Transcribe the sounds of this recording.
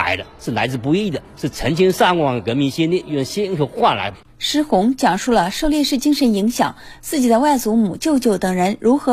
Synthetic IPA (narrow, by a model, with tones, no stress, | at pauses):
ɪd̪ə˧ʂɻ̩˥˩la˧˥ɪt͡sɹ̩˧p̬u˧˥i˥i˥˩d̪ə˩ʂɻ̩˥˩t͡sʰə˧˥ŋt͡ɕʰi˥ŋʂa˥˧˩ŋkwɑ˥˩ŋd̪ə˩kə˧˥nmi˧˥nɕɛ˥njɛ˥˧˩nʊ˥˩ɕjɛ˥i˥ŋt͡ɕʰjʊxwa˥˩nla̰˧˥ɪ | ʂɻ̩˧˥xʊ˧˥ŋt͡ɕjɑ˨˩ŋʂu˥˩lə˩ʂo˥˧ʊljɛ˥˧ʂɻ̩˥˩t͡ɕi˥ŋʂə˧˥ni˧˥ŋɕjɑ̰˨˩˦ŋt͡sɹ̩˥˩t͡ɕi˨˩d̪ə˦wa˥˩ɪt͡su˧˥mu˨˩t͡ɕjo˥˧ʊt͡ɕjo˥˩ʊt̪ɤ˨˩ŋɻə˧˥nɻu˧˥xɤ˧˥